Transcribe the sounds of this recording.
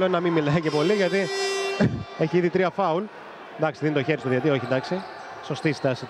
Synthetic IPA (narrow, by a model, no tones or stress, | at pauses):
lonːɐmimːilɐjcepo̞liʝɐt̪i | eçiiðit̪ɾiɐfɐul | d̪ɐksiðinit̪oçeɾist̪oðiɐt̪io̞çind̪ɐksi | so̞st̪ist̪ɐsit̪